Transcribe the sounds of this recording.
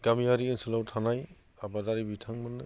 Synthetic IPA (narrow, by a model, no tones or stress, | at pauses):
ɡamiaɾiɯnsɯlawtʰanaj | abadaɾibitʰaŋmɯnːɯ